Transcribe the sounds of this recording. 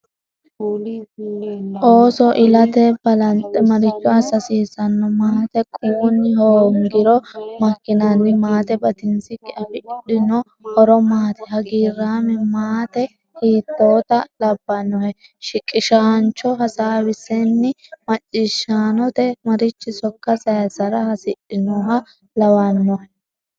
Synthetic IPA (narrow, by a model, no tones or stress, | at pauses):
ʔoːsɔʔɪlɐt̪ɛbɐlɐnt̪ʼɛmɐɾɪt͡ʃːɔɐsɐsiːsɐnːɔmaːt̪ɛkʼuːnːɪɦoːŋɡɪɾɔmɐkːɪnɐnːɪmaːt̪ɛbɐt̪ɪnsɪkʼːɪɐfɪɪɗɪnɔ | hɔɾɔmaːt̪ɛhɐɡiːrːaːmɛmaːt̪ɛ | hiːt̪ːoːt̪ɐlɐbːɐnːɔhɛ | ʃɪkʼːɪʃaːnt͡ʃɔɦɐsaːwɪsɛnːɪmɐt͡ʃʼːɪʃːaːnɔt̪ɛmɐɾɪt͡ʃːɪsɔkːɐsɐjɐsɐɾɐhɐsɪɗɪnɔɦɐ | lɐwanːɔhɛ